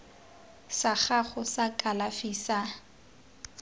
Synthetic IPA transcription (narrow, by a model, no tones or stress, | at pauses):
saχaχʊsakʼalafisa